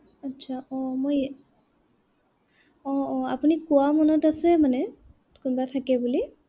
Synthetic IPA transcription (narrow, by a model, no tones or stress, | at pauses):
atːsʰaɔ̃moj | ɔ̃ɔ̃apunikuwamɔnɔtasɛmanɛ | kunbatʰakɛbuli